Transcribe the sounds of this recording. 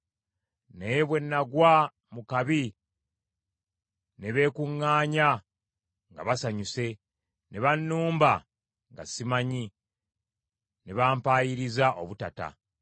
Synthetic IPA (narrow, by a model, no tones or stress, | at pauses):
ne̞βwe̞nːaɡwa | mukaβi | ne̞βe̞ːkuŋːaːɲa | ŋɡa̰βasaɲuse̞ | ne̞βanːuːmba | ŋɡa̰simaɲi | neβaːmpaːjiɾizaʔoβutata̰